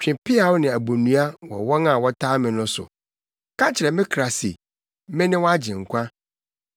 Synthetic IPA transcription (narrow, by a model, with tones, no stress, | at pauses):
t͡ɕᶣɪ̃˨pʰɪ˦a˨˦wʊ˦nɪ̃˨æ˨bo˨nũ˦a˦wɔ̰˨wɔ˦nã˨wɔ˦tʰaː˦mɪ̃˨nʊ̃˦sʊ̰˨ | kʰã˦t͡ɕʰɪ˨ɾɛ˨mɪ̃˦kʰɾa˨sḭ˨˦ | mɪ̃˦nɪ̃˦wɔ˦a˦d͡ʑɪ̃˨ŋ̩˨kʷʰã˦